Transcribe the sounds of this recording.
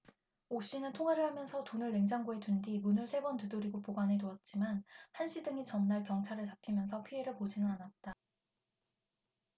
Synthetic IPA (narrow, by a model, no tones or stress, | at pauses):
oɕ͈inɯntʰoŋɦaɾɯɭhamjʌnsʰʌtonɯɭːe̞ŋd͡ʑaŋɡoetundimunɯɭsʰe̞bʌntɯdoɾiɡopoɡanetoʌt̚t͡ɕ͈imanhanɕʰidɯŋit͡ɕʌnːaɭkjʌŋt͡ɕʰaɾɯɭt͡ɕapʰimjʌnsʰʌpʰie̞ɾɯɭpod͡ʑinɯnanat̚t͈a